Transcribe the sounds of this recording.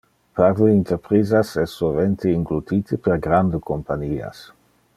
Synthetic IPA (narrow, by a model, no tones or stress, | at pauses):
paɾleint̪eɾpɾizasɛsːolvent̪ʰeiŋɡlut̪it̪ʰepeɾɡɾand̪ekompaɲiːa̰s